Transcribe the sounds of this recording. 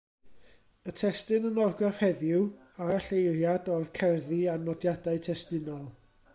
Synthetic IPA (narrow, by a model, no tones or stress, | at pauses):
ətʰɛstɨnənɔrɡrafhɛðjʊw | aaɬejrjadɔrkʰɛrðianɔdjadaɨtʰɛstɪnɔlˠ